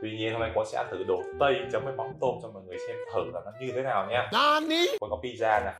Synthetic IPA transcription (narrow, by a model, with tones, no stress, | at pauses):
t̪wi˧ɲi˧ənhə˧ŋ͡mna˧˩jkɔ˨˦sa̰ː˧˥t̪ʰɨ˨˩ɗo˧˩˨t̪ə˧jt͡ɕə˨˦mvəː˨˦jma˨˦wŋ͡mt̪o˧mt͡ɕɔ˧ŋ͡mmɔ˨˩ŋɨ˨˩əjsɛ˧mt̪ʰəː˧˩laː˨˩nɔ˨˦ɲɨ˧t̪ʰe˨˦naː˨˩wɲaː˧nɔ˨˧ɗi˧˦ɔ̰˧˥nkɔ˨˦ɓi˧zaː˧naː˨˩